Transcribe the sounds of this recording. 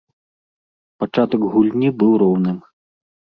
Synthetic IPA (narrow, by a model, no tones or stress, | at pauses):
pat͡ʂat̪ɐkɣulʲnʲibɨwɾɔwnɨm